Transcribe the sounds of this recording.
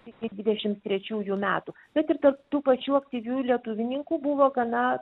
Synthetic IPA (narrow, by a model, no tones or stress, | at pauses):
t̪ʲɪkʲɪd̪ʲʋʲɪd̪ʲɛʃʲɪmtt̪ʲɾʲɛt͡ʃʲuːjumʲæːt̪uː | bʲɛt̪ɪɾt̪ɐrp̚t̪uːpɐt͡ʃʲuːɐk̚t̪ʲiːʋʲuːjlʲiɛt̪ʊʋʲɪnʲɪŋkuːbuʋoːɡɐnɐ